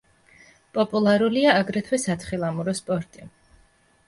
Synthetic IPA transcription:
pʼɔpʼulˠaɾuliaːɡɾɛt̪ʰwɛsat̪ʰχilˠamuɾɔspʼɔɾt̪ʼi

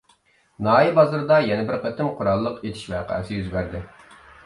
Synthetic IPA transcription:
nɑːibɑzɨɾd̪ɑjɛnɛbɪɾqʰət̪ɪmqʰʊɾɑlˠːəqet̪ʰɪ̥ʃvæ̰ːqʰæ̰ɪsɪjyzbæɾd̪ɪ

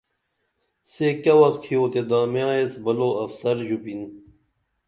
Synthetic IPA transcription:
sekɐwɐxt̪ʰhijoːt̪ed̪aːmjaːesbɐloːɐfsɐɾd͡ʑupin

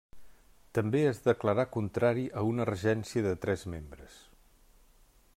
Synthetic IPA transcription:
t̪əmbeezðəkləɾakunt̪ɾaɾiʔəunərəʒɛnsiəðət̪ɾɛzmembɾəs

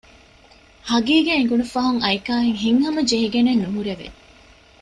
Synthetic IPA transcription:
hɐɡiːɡeːiŋɡunufɐɦuŋɐikaːɦeŋɦiŋhɐmɐd͡ʒeɦiɡenenːuɦuɾeʋḛ

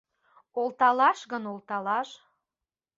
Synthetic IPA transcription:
olt̪ɑlɑʃɣənolˠt̪ɑlɑʃ

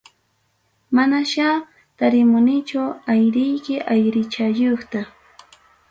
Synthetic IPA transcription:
manaʃa | t̪aɾɪmʊnɪt͡ʃʊajɾɪjkɪʔajɾɪt͡ʃajoχt̪a

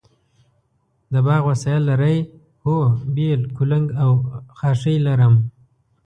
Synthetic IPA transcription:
d̪əbɑɣwasɑjalːaɾaj | hobelkulaŋɡawxɑʂəjlaɾəm

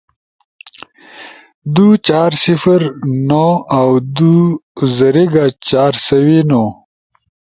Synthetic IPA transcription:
d̪ut͡ʃaːɾsifəɾnoawd̪uzɐɾiɡat͡ɕaːɾsɐwino

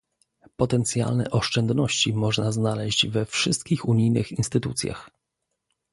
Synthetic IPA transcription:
pɔt̪ɛnt̪sʲja̰lnɛ̰ʔɔʂt͡ʂɛnd̪nɔɕt͡ɕimɔʐnaznalɛʑd͡ʑvɛfʂɘst̪̚kʲixuɲijnɘ̰xinst̪ɘt̪ut̪sʲja̰x

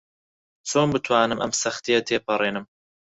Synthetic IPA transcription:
t͡sʰoːnbɨt̪ʰwaːnɨmʔɐ̰msɐxt̪ijɐt̪ʰeːpʰɐreːnɨm

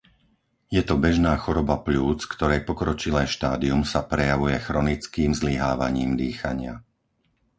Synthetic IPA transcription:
jɛt̪ɔbɛʒnaːxɔɾɔbapʎuːt͡skt̪ɔɾɛjpɔkɾɔt͡ʃilɛjʃt̪aːd̪iumsapɾɛjaʋujɛxɾɔnit͡skiːmzliɦaːʋa̰ɲiːmd̪iːxaɲɪa̰

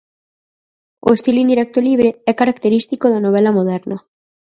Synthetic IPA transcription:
o̰est̪iloind̪iɾɛk̚t̪oliβ̞ɾeɛkaɾakt̪eɾist̪ikoðanoβ̞ɛlamoð̞ɛɾna

